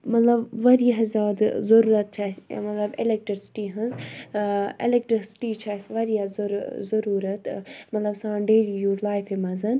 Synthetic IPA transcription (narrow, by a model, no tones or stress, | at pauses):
mɐt̪lɐbʋɐɾijɐɦzʲjaːd̪zɐɾuːɾɐt̪̚t͡ʃʰasmɐt̪lɐbelek̚ʈɾisi̥ʈiɦɐnz | ḛlek̚ʈɾisi̥ʈit͡ʃʰaːsʋɐɾijɐzzɐɾuːɾɐt̪mɐt̪lɐbsãːɖeːlijuːzlaːjfemɐzɐn